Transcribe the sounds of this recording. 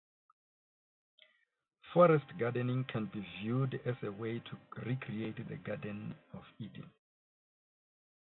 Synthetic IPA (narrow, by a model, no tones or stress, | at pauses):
fɔɹɛstɡadɛnĩŋkʰɛ̃nbivjudɛsewetʰuɹikʰɹietdəɡadɛ̃nɔfidḭ̃n